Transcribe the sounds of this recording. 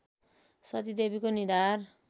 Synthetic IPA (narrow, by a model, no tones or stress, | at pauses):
sʌt̪id̪ebikonid̪ar